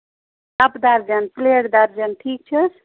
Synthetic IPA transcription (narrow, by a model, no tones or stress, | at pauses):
ɐpd̪aɾd͡ʒanpleɽd̪aɾd͡ʒanʈʰiːk̚t͡ʃʰəs